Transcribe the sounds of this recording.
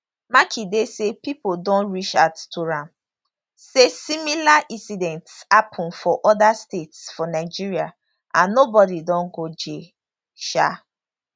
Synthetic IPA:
makʰidesepipodɔ̃nɹit͡ʃattʰuɹãm | sesimilaʔĩnsidɛ̃ntshapʰɔ̃nfɔʔɔdastetsfɔnaɪd͡ʒiɹia | ʔãnːobɔdidɔ̃nɡod͡ʒe | ʃa̰

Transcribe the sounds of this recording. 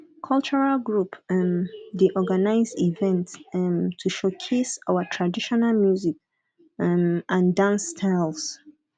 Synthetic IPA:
kʰɔlt͡ʃəɹalɡɹup | deʔɔɡanaɪzdivɛ̃nttʰːuʃokʰesaʊətʰɹadiʃɔnalmjuzik | ʔãndãnsːtʰaɪls

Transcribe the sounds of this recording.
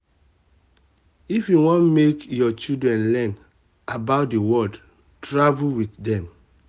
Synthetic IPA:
ifjuwɔ̃nmekjɔt͡ʃidɹɛ̃nlɛ̃n | abaʊt̚diwɔld | tɹavulwitdɛ̃m

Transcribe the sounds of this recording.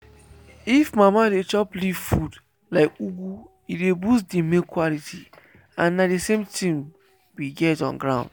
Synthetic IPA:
ifmamadet͡ʃɔpliv̥fud | laɪkuɡu | idebusdimikʰwɔlitʰi | ãnːadesẽmtĩm | wiɡɛtɔ̰̃nɡɹãʊ̃nd̥

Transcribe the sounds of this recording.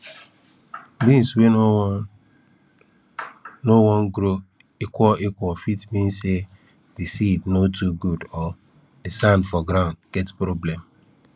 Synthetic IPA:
bĩnswe | nowɔnɡɾo | ekʷɔekʷɔfitmĩnse | disibnotuɡudɔ | disãndfɔɡɾãʊ̃ndɡ̥ɛtpɾoblɛm

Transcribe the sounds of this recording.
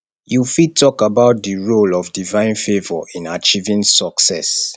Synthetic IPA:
jufitʰɔkabaʊt̚diɹolɔvdivãɪ̃nfevɔ̰ĩnat͡ʃivĩŋsɔksɛs

